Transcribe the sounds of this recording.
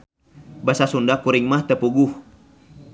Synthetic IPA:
basasundakuɾiŋmaht̪əpuɡuh

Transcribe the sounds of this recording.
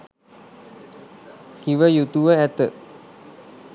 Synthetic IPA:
kiʋəjut̪uʋəæt̪ə

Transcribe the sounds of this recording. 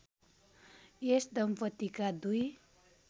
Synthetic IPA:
esd̪ʌmpʌt̪ːikad̪uj

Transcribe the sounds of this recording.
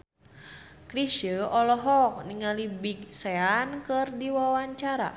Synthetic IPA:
kɾiʃəɔlɔɦɔk̚niŋalibik̚seankərdiwawaɲt͡ʃaɾa̰

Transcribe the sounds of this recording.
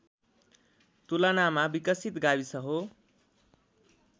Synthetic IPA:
t̪ulʌnamabikʌsit̪ɡabisʌɦo

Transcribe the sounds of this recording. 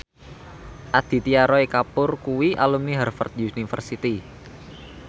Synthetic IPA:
ʔad̪̥i̤t̪iaɾɔikapʊrkuwiʔalumniɦɛrfə̰rt̪̚uunifə̰rsit̪i

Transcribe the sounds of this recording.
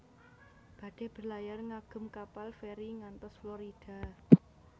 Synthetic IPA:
b̥ä̤d̪̥ɛ̤b̥ərlajarŋaɡ̥ʊ̤mkapalfeɾiŋant̪ɔsfloɾid̥a̤

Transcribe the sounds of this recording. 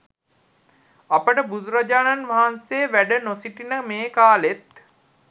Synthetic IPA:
apəʈəbud̪uɾad͡ʒaːnanʋaɦanseʋæɖənosiʈinəmeːkaːlet̪

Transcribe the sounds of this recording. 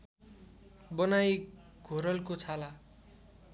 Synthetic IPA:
bʌnaj | ɡʱoɾʌlkot͡sʰala

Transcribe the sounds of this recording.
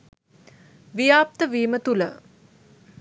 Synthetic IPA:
ʋijaːp̚t̪əʋiːmət̪ulə̰

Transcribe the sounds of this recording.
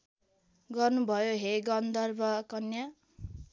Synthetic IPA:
ɡʌrnubʱʌjoɦeɡʌnd̪ʌrbʱʌkʌnja

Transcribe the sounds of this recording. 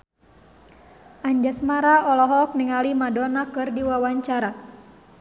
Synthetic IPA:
ʔaɲd͡ʒasmaɾaɔlɔɦɔk̚niŋalimadɔnakɨrdiwawaɲt͡ʃaɾa

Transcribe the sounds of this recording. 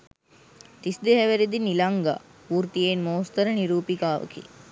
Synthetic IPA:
t̪isd̪eɦæʋeɾid̪inilaŋɡa̰ː | uːrt̪ijeːnmoːst̪əɾəniɾuːpikaːʋə̰kḭ

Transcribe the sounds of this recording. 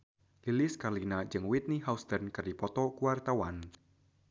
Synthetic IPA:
lilɪskarlinad͡ʒɨŋwit̪̚niɦaust̪ərnkərdipɔt̪ɔkuwart̪awan

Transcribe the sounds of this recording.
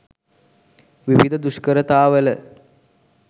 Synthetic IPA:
ʋiʋid̪ʱəd̪uʃkəɾət̪aːʋələ

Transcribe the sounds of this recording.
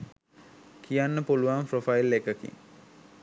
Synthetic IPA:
kʰijanːəpuluʋamprofailːekəkḭŋ

